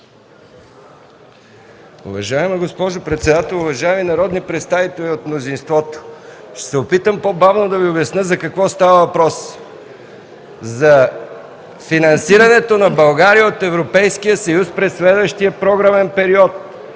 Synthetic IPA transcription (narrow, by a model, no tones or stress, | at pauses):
ʊ̰vɐʒaɛmiɡospɔʒopɾɛt̪sɛd̪at̪ɛlˠʊvɐʒaɛminɐɾɔd̪nipɾɛt̪st̪avit̪ɛlʲiot̪mnozinst̪vɔt̪o̥ʃɛ̥sɛopit̪əmpobavnod̪ɐviobɛsnɤzɐkɐkvɔst̪avəvɐpɾɔs | zɐ | finɐnsiɾɐnɛt̪onɐbɐlˠɡaɾijəot̪ɛvɾopɛjskijəsɐjuspɾɛsːlɛd̪vəʃt̪ijəpɾɔɡɾamɛnpɛɾiɔt̪̚